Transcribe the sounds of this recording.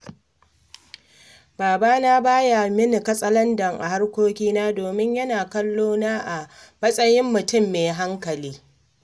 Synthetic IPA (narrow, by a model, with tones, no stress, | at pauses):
baː˨baː˦naː˦baː˦ja˨mɪ˦nɪ˨kɐ˦sʼɐ˦lɐ˦ndɐ˨ŋʔa̰˨ɦa˦rkʷoː˦kʲiː˦naː˦doː˨mɪ˦ɲjɐ˦naː˨kɐ˦lːoː˦naː˦ʔa˨mɐ˦sʼɐ˦jɪ˦mːʊ˨tʊ˦mːeː˨ɦa˦ŋkɐ˨liː˦